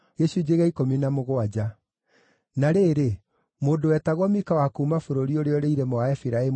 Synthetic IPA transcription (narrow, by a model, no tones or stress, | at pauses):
jɛsuid͡ʒeɣaikominamoɣoad͡ʑa | naɾeːɾe | moːdowɛtaɣwɔmikawakumafoɾoɾioɾeɔɾeiɾɛmɔaɛfiɾaɛ